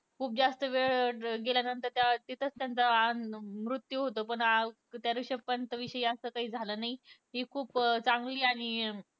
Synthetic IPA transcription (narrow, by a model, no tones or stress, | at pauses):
kʰuːp̚d͡zast̪əʋeɭʈɡeljanənt̪əɾt̪jat̪it̪ʰət͡st̪jant͡səanmɾut̪juɦot̪opəɳa | t̪jaɾuɕəpənt̪əʋiɕəjiasəːkaɦiːd͡zʱaləːnaiɦiːkʰuːpt͡saŋɡliːaɽ̃i